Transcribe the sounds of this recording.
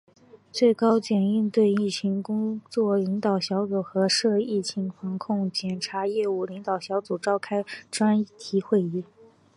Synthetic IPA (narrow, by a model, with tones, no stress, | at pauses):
t͡swe˥˩ɪkɑ˥ʊt͡ɕjɛ˨˩ni˥˧nt̪we˥˧ɪi˥˩t͡ɕʰi˧˥ŋkʊ˥ŋt͡swɔ˥˩li˧˥ŋt̪ɑ˨˩ʊɕjɑ˧˥ʊt͡su˨˩xɤ˧˥ʂɤ˥˧i˥˩t͡ɕʰi˧˥ŋfɑ˧˥ŋkʰʊ˥˩ŋt͡ɕjɛ˨˩nʈ͡ʂʰa˧˥jɛ˥˧u˥˩li˧˥ŋt̪ɑ˨˩ʊɕjɑ˧˥ʊt͡su˨˩ʈ͡ʂɑ˥˩ʊkʰa˥ɪʈ͡ʂwa˥nt̪ʰi˧˥xwe˥˧ɪi˥˩